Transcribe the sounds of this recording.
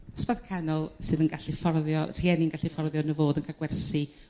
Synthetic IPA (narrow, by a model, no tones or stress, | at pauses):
ɔ̥sb̥aðkʰɛnɔlˠsɨðənɡaɬifɔrðjɔr̥iɛnɪnŋɡaɬifɔrðjɔnəvoːdənkʰaɡ̥wɛrsi